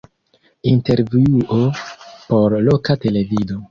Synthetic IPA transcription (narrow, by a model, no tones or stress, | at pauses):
inteɾviuʔopo̞ɾlo̞kate̞le̞vido